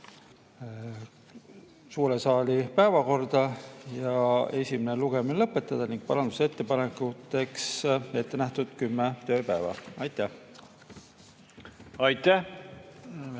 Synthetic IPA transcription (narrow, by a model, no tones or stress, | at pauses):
suːɾe̞sɑːlipæevɑko̞rd̪̥ɑjɑe̞sʲimeneluɡ̥eminelɤpːˑe̞t̪ːˑɑd̪̥ɑniŋɡ̥̚pɑlɑnd̪use̞t̪ːe̞pɑnekˑut̪ːˑe̞kse̞t̪ːe̞næht̪ud̪̥kymːet̪ø̞ːpæevɑ̰ɑjt̪ːˑæh | ɑjt̪æh